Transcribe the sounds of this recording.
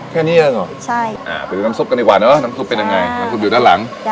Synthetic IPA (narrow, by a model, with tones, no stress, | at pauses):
kʰɛː˥˩niː˦˥˩jeː˧ŋɔ˨˩t͡ɕʰa˥˩ʔa̰ː˨˩pʰe˨˩˨naː˦˥msu˥˩pka˧ni˧˩kwaː˨˩nəː˦˥˩na˦˥msu˦˥pːe˧nja˧ŋːa˧jna˦˥msu˧˥juː˨˩daː˥˩nla̰˩˦ŋ